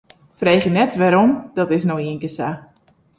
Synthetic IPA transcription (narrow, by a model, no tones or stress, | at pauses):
frejxjənɛtʋɛɾɔmd̥ɔtɪsnowiənkəsa